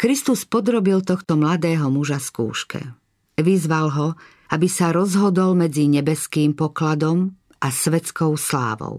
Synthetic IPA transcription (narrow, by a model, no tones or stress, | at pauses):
kɾist̪uspɔd̪ɾɔbilt̪ɔxt̪ɔmlad̪ɛːɦɔmuʒaskṵːʃkɛ̰ | ʋizʋalɦɔ | abisaɾɔzɦɔd̪ɔlmɛd͡ziɲɛbɛskiːmpɔklad̪ɔm | ʔasʋɛt͡skɔʊsla̰ːʋɔ̰ʊ